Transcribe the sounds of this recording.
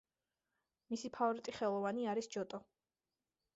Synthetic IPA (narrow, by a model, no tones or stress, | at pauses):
misipʰaɔɾit̪ʼiχɛlˠɔvaniaɾisd͡ʒɔt̪ʼɔ